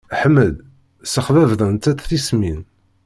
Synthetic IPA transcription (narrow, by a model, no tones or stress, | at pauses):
ħmːəð | səχðævðˤənt̪ætθismin